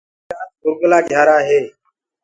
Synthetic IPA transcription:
aːtkʊɾɡəlaːɡʱjaːɾaːɦeː

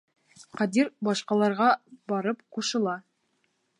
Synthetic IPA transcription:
qɑd̪iɾbɑʃqɑlˠɑɾʁɑbɑɾɤp̚quʃɤ̆lˠɑ

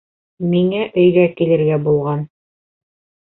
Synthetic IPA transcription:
miŋæʔɵ̆jðækilɘ̆ɾɡæbulˠʁɑn

